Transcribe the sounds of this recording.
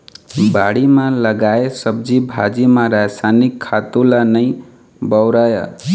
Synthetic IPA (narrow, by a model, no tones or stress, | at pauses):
baɽimãləɡaesəb̚d͡ʒibʱad͡ʒimãɾasanikʰːat̪ulanəj | bəwɾaja̰